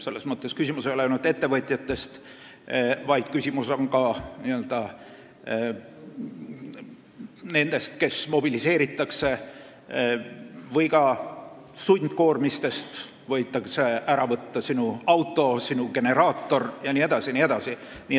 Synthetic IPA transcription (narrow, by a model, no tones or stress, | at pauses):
se̞lːe̞smɤt̪ːe̞skysʲimusejolenud̪e̞t̪ːe̞vɤt̪ʲˑjɑt̪ːe̞st̪ | vɑjd̪̥̚kysʲimuso̞ŋkɑniøld̪̥ɑ | ne̞nd̪̥e̞st̪ke̞smo̞b̥ilise̞ːɾit̪ːˑɑkse̞ | vɤjɡkɑ | sunʲd̪̥ko̞ːrmist̪e̞st̪ | vɤjt̪ːˑɑkseʔæɾɑvɤt̪ːɑsinuɑwt̪ˑːo̞sinuɡ̥e̞ne̞ɾɑːt̪ːo̞rjɑnie̞d̪̥ɑsinie̞d̪̥ɑsi | ni